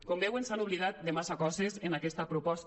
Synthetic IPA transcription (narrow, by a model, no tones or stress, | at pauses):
kombewensanuβliðat̪̚d̪emasakɔzezenakɛst̪əpɾupɔs